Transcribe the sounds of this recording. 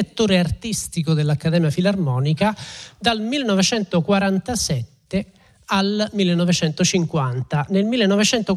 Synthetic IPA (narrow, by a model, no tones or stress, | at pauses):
et̪ːoːɾeart̪ist̪ikod̪elːakːad̪ɛːmjafilarmɔːnikad̪almilːenɔvet͡ʃɛnt̪okwaɾant̪asɛt̪ːe | almilːenɔvet͡ʃɛnt̪ot͡ʃiŋkwant̪anelmilːenɔvet͡ʃɛnt̪o